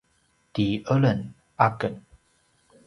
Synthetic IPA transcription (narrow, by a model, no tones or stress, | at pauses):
t̪iələn | akən